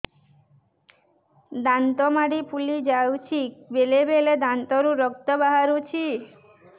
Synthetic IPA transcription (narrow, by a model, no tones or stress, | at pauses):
d̪ant̪ɔmaɽipʰulid͡ʒawt͡ʃʰibelebeled̪ant̪ɔɾuɾɔk̚t̪ɔbaɦaɾut͡ʃʰi